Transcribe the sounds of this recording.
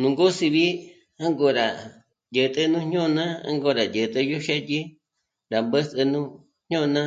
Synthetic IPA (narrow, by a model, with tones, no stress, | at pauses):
nũ˨ŋɡo˦si˧βi˦ | ã˦ŋɡo˧˨ɾa˨ | jə˧˨t̪ə˧nũ˦ɲɲõ˦˧nã˦ã̰˦ŋɡo˧ɾa˨jə˨t̪ʼə˧jo˦ʃe˦ti˦ | ɾa˨mbə˦sɨ˧nũ˦ | ɲ̥ɲõ˦˧nã˦